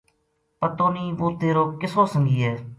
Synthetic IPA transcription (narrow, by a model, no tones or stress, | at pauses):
pət̪oːniːʋoːt̪eːɾoːkɪsoːsəŋɡiːeː